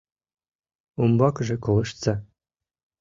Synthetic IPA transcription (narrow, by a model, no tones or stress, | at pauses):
umbɑkʐɘ̆kɤ̆lˠɤ̆ʃt̪sɑ